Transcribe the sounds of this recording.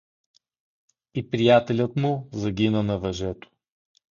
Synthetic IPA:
ipɾijat̪ɛlʲət̪mʊzɐɡʲinənɐvɐʒɛt̪o̥

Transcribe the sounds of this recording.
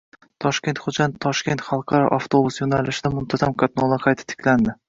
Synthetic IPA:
t̪ʰɒʃkʲe̞nt̪χod͡ʒant̪ʰːɒʃkʲe̞nt̪χɑlˠqʰɑɾɒ̰ʔaft̪ʰo̞busjonalɪʃɪd̪amʊmt̪ʰazamkʰat̪nɒlˠaqʰɑjt̪ʰɪ̥t̪ʰɪ̥kʲland̪ɪ

